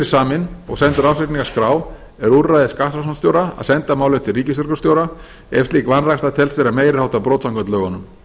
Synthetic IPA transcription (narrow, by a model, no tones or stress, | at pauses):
ɪ̥saːmɪnɔ̰ɣsɛnt̪ʏɾawsɛt̪niŋkaskɾaːw | ɛɾuɾrajðɪskahasanst̪jowɾaa̰ðsɛnt̪amaːwlɛt̪ɪlriːcɪsvʏɾkʏst̪joːwɾa | ɛfst̪liːkvanrakst̪at̪ʰɛlsfɪɾameːjɾɪɾhawt̪apɾoːt̪saŋkvɛnt̪lœːɣɔnʏm